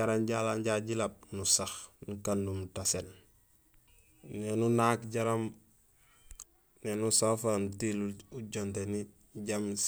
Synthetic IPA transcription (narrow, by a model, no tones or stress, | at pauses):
aɾamɟalaɲɟaɟilap̚nusaxnukandumtasel | nenunakɟaɾam | nenusafanutiluɟonteni | ɟam